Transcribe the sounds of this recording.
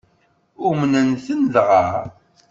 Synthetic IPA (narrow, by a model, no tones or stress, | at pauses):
umnənθənlʁaɾ